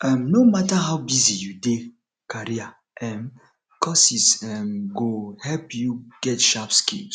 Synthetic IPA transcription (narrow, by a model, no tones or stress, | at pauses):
ɛmnomataɦaʊbizijude | kaɾia | ɛm | kʰɔsisɛmɡohɛlpjuɡ̥ɛtʃapskis